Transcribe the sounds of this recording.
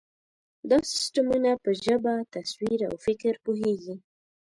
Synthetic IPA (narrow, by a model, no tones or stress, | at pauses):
d̪ɑsɪ̥sʈamunapəʒəbat̪aswiɾa̰wfɪkɾpuɦeɡi